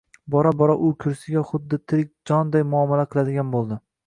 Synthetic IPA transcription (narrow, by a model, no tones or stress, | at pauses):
bɒɾabɒɾaʔʊkʲʰʊɾsɪɡʲaχʊd̪ːɪt̪ʰɪɾɪk̚ʲd͡ʒɒnd̪ajmʊɒmalaqʰɨlˠad̪ɪɡʲanbolˠd̪ɪ